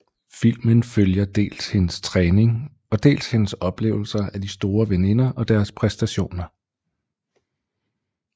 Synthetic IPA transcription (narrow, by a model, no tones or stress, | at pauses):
fil̰mənføljɐd̥e̝̰ːlshe̝nəst͡sʰʁɛːne̝ŋ | ɒ̽d̥e̝̰ːlshe̝nəsɒ̽b̥le̝̰ːʊl̩sɐæd̥isd̥o̝ːɐʋene̝nɐʔɒ̽d̥æɐspʰʁɛsd̥æɕo̝̰ːnɐ